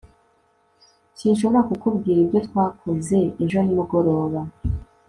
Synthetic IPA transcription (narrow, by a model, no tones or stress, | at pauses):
cinʃoβoɾakukubɡiːɾibɟo̞t̪kwaːkʰoze̞eʒonimuɡo̞ɾo̞ːβa